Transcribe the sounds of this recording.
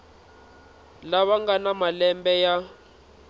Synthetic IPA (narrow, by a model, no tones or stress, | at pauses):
laβaŋɡanamalɛmbɛja